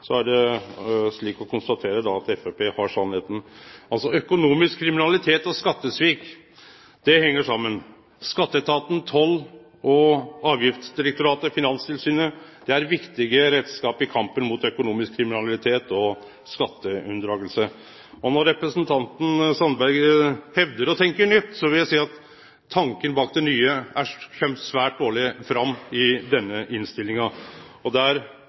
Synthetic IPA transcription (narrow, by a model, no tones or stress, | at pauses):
sɔæɖɛ | ʂɭiːkɔkʊnst̪ɑt̪ʰeːɾəd̪ɑɑt̪ɛfepʰeːhɑʂɑnheːt̪n̩ɑlsɔœkʊnuːmɪskʰːɾɪmɪnɑlɪt̪ʰeːt̪ɔskɑt̪ːəsʋiːk | d̪̥ɛhɛŋːəʂɑmːən | skɑt̪ːət̪ʰɑːt̪n̩t̪ʰɔlː | ɔɑːʋjɪft̪sd̪ɪɾɛk̚t̪ʊɾɑːt̪əfɪnɑnst̪ʰɪlsyːnəd̪̥ɛæɾʋɪkt̪ɪɡəɾeːd̪skɑːpɪkʰɑmpənmʊt̪œkʊnuːmɪskʰːɾɪmɪnɑlɪt̪ʰeːt̪ɔ | skɑt̪ːəʉnd̪ɾɑːɡəlsə | ɔnɔɾɾɛpɾəsnt̪ʰɑnt̪n̩sɑnbæɾɡhɛʋd̪əɾɔt̪ʰɛŋkəɳʏt̪ːsɔʋɪljæɪsiːɑt̪ʰː | ɑŋkənbɑːk̚d̪ɛnyːəæçɛmsʋæːʈ̚d̪oːɭɪfɾɑmːɪd̪ɛnːəʔɪnst̪ɪlːɪŋɑɔd̪ɛæɾ